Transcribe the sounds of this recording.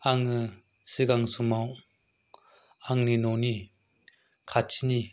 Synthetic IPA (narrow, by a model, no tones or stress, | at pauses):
aŋɯ | sɯɡaŋsumaw | aŋninɔni | kʰat͡ʃʰini